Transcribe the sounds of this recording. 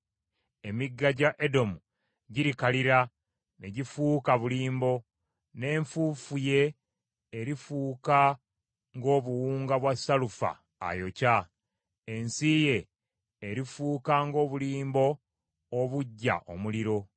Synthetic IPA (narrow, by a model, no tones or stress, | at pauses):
e̞miɡːaɟaʔedo̞mu | ɟiɾikaliɾa | neɟifukaβuliːmbo̞ | ne̞ːɱfufuje̞ː | ɾifuːka | ŋɡo̞ːβuwuːŋɡaβwasalufa̰ː | jo̞ca | e̞nsije̞ː | ɾifuːkaŋɡo̞ːβuliːmbo̞ː | βuɟːa̰ʔo̰muliɾo̞